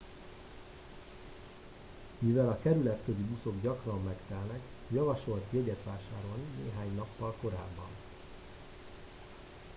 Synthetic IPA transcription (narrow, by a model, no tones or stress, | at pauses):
mivɛlɒkɛɾylɛt̪køzibuso̞ɡɟɒkrɒmːɛkt̪ɛlnɛk | jɒvɒʃo̞lt̪jɛɟɛt̪ʋaːʃaːɾo̞lnineːɦaːɲnɒpːɒlko̞ɾa̰ːbːɒn